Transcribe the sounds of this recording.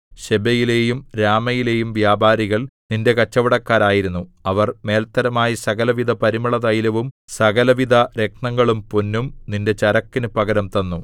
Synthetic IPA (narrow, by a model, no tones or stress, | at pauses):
ɕebɐjile̞ːjumɾaːmɐjile̞ːjumʋjaːbaːɾiɣɐɭninde̞kɐt͡ɕːɐʋɐɽɐkːaːɾaːjiɾunːuɐʋɐrme̞ːlt̪ːɐɾɐmaːjisɐɣɐlɐʋid̪ʱɐpɐɾimɐɭɐðɐjlɐʋumsɐɣɐlɐʋid̪ʱɐɾe̞k̚ɳɐŋːɐɭumpunːumninde̞t͡ɕɐɾɐkːinɨpɐɣɐɾɐmt̪ɐnːu